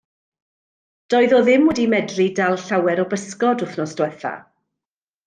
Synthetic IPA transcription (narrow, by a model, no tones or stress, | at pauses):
d̥ɔɨðɔðɪmwɛdimɛdridalˠɬawɛɾɔbəskɔdʊθnɔsd̥wɛθa̰